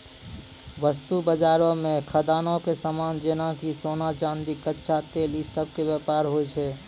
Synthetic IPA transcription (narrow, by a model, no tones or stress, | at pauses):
ʋəst̪ubəd͡ʒaːɾõmẽkʰəd̪aːnõkesamaːnd͡ʒenakisoːnat͡ʃãːnd̪ikətːʃʰat̪eːlisəb̚ʱkebjəpaːɾɦot͡ʃʰɛ